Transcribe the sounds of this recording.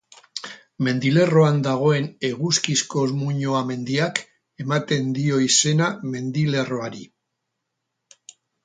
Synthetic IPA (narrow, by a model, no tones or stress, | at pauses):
me̞nd̪ile̞ro̞and̪aɣ̞o̞e̞ne̞ɣ̞uskisko̞zmuɲo̞ame̞nd̪iak | e̞mat̪e̞nd̪io̞ise̞name̞nd̪ile̞ro̞aɾi